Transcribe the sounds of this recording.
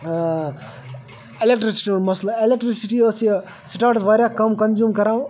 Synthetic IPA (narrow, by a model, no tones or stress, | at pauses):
elek̚ʈɾisi̥ʈiunmɐslɐelek̚ʈɾisiʈiəsi | siʈaːɾʈsʋaːɾjakɐmkɐnzjuːmkɐɾãːw̃